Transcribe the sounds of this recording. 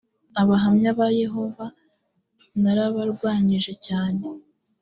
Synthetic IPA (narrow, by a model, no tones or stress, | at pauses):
aβaɦamɲaβaje̞ɦo̞va | naɾaβaɾɡwaːɲiʒe̞caːne̞